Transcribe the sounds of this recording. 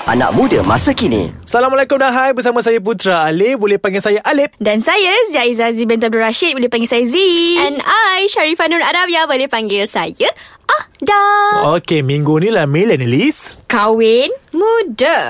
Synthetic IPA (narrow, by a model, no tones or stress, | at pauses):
a̰nã̰ʔ̚mudə̰ma̰sakinḭsalamalekʊmdaɦajbəsamas̬ajap̬ut̪ɾaːlebolɛhpaŋɡɪlsajaʔalɪp̚dansajazaizazibɛnt̪ab̚duɾaʃit̪̚bolɛhpaŋɡɪlsajaziɛnajʃaɾifanunadapjabolɛhpaŋɡɪlsajaʔadaokemĩŋɡunĩlahmelanəliskawɪnmũda